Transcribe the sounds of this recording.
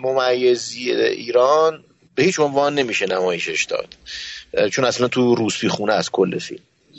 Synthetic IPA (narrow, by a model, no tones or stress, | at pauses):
momæjːezieʔiːɾɒːn | behiːt͡ʃʰonvɒːnːe̞miːʃenæmɒːjeʃeʃd̪ɒ̰ːd̪̥ | t͡ʃʰonæslænt̪ʰuɾuːspʰiːxuːnɛæskʰolːefḭlm